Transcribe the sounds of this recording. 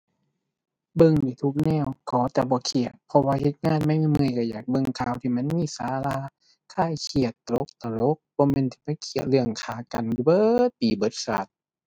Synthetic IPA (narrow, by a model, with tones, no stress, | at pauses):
bɤ˧˨ŋdiː˨˧˩t̪ʰu˧˩k̚nɛː˧˩˨wkʰɔː˨˦t̪ɛː˧˩bɔː˧˦kʰi˨˩ət̪̚pʰɔ˧waː˧he˧˦t̪̚ŋaː˧˥˨nma˧˥˨jmi˧˥˨mɯ˧ə˨jka˧˩jaː˨˩k̚bɤ˧˨ŋkʰaː˧˩wt̪ʰiː˧˨ma˧˥˨nmiː˧˥˨sa̰ː˨˧˦laː˧ | kʰaː˧˥˩jkʰi˨˩ət̪̚ːlo˧˦k̚t̪a˧lo˧˦˥k̚bɔː˧˦˨me˧˥nt̪ʰi̥ː˧˩ma˧˥˨kʰi˨˩ət̪̚lɯ˧˩əŋkʰaː˨˩ka̰˨n˧bɤː˧˦t̪̚iː˨˩bɤ˨˦t̪̚sa̰˨˩t̪̚